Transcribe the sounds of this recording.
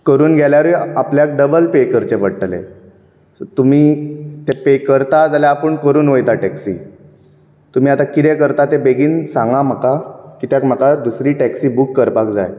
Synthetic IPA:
kəɾuːnɡʱjaljaɾujapljak̚ɖəbəlpekəɾt͡ɕepəɽʈlḛ | t̪um̤iːt̪epekəɾt̪ad͡zaljaːpəɳkəɾuːnʋəjt̪aʈɛksḭ | t̪um̤iːat̪akit̪ekəɾt̪at̪ebeɡiːnsãŋɡam̤əkakiːt̪jakm̤əkad̪usɾiːʈæksiːbukːəɾpakd͡za̰j

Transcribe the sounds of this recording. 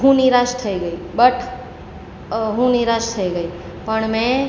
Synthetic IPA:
ɦũnɪɾaːʃt̪ʰəiɡəibəʈʰ | ɦũnɪiɾaʃt̪ʰəiɡəi | pəɳmɛ̃

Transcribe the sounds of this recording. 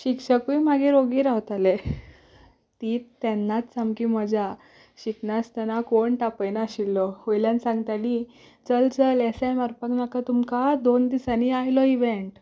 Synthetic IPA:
ɕikɕəkujmaɡeɾoɡiːɾaʋt̪ale | t̪iːt̪ːɛnːat̪t͡samkim̤əd͡ʑʱa | ɕiknast̪anakoɳʈapəjnaɕilːɔhojljansãŋɡt̪aɽi | t͡səlt͡səlɛsajmaɾpəknakat̪umkad̪ond̪isaniajlɔiʋeɳʈ

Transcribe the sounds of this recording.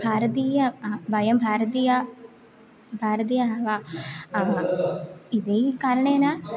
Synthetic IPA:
bʱaːɾɐt̪̬iːjɐʋɐjɐmbʱaːɾɐt̪̬ija | bʱaːɾɐt̪̬ijaːʋa | id̪ekaːɾɐɳɐ̃ena

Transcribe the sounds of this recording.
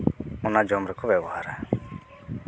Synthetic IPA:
ɔnad͡ʒɔmɾɛkʰɔbɛbɔɦaɾa

